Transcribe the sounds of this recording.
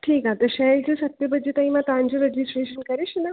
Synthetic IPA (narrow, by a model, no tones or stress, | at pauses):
ʈʰiːkat̪əɾɕɛlt͡ɕesət̪jəbəd̪d͡ʑet̪aĩmat̪ãnd͡ʑeɾed͡ʑisʈɾeɕənkəɾiɕnə